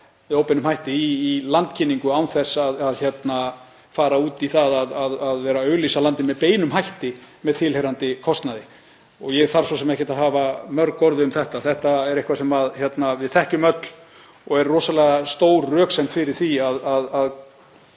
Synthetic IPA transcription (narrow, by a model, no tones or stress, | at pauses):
mɛðoːwpɛnʏmhɦajht̪ɪiːlant̪cʰɪnːiŋkʏawθɛsaðaðçjɛt̪na | faːɾauːt̪iθaðaðaðaðvɛːɾaœːɥlisalant̪ɪnmɛðpeːjnʏmɦajht̪ɪmɛðt̪ʰɪlhejɾant̪ɪkʰɔst̪naðɪ | ɔɣjɛθaɾ̥sɔsɛmɛhcɪt̪aðɦaːvamœɾkɔɾðʏʏmθɛht̪aθɛht̪aɛɾehkvasɛmaðçjɛt̪navɪðθɛhcʏmœt̪l̥ | ɔɣɛɾrɔːsalɛɣast̪oːwɾːœːksejm̥t̪fɪɾɪɾ̥θiaðaðað